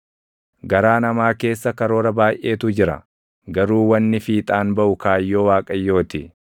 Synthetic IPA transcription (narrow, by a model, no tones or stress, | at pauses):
ɡɐɾaːnɐmaːke̞ːsːɐkɐɾo̞ːɾɐbaːjʔe̞ːt̪ʊd͡ʒɪɾɐ̰ | ɡɐɾuːwɐnːɪfiːt̪ʼaːnbɐʔʊkaːjːo̞ːwaːkʼɐjːo̞ːt̪ɪ